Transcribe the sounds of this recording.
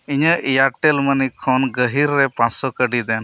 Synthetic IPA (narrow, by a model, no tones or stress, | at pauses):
iɲəʔijaʈelmənikʰɔnɡəɦiɾːepãt͡ʃsɔkəɖid̪en